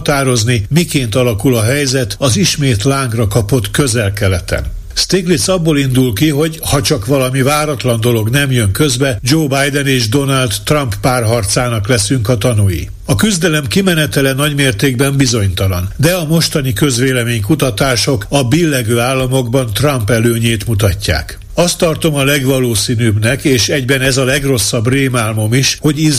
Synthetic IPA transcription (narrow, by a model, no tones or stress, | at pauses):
t̪aːɾo̞znimikeːnt̪ɒlɒkulɒɦɛjzɛt̪ɒziʃmeːt̪laːŋɡrɒkɒpo̞t̪køzɛlkɛlɛt̪ɛ̰n | st̪eːklisɒbːoːlind̪ulkiɦo̞ɟhɒt͡ʃɒkʋɒlɒmivaːɾɒt̪lɒnd̪o̞lo̞ɡnɛmjø̞ŋkø̞zbɛd͡ʒoːbajd̪ɛneːʒd̪o̞nald̪ːrɒmpːaːrɦɒrt̪saːnɒklɛsyŋkɒt̪ɒnujḭ | ɒkyzd̪ɛlɛmkimɛnɛt̪ɛlɛnɒɟmeːrt̪eːɡbɛmbizo̞ɲt̪ɒlɒ̰nd̪ɛɒmo̞ʃt̪ɒnikø̞zʋeːlɛmeːɲkut̪ɒt̪aːʃo̞kɒbilːɛɡøːaːlːɒmo̞ɡbɒnt̪rɒmpɛløːɲeːt̪mut̪ɒcːa̰ːk | ɒst̪ːɒrt̪o̞mɒlɛɡʋɒloːsiːnyːbnɛkeːʃɛɟbɛnɛzɒlɛɡro̞sːɒbreːmaːlmo̞miʃho̞ɟiz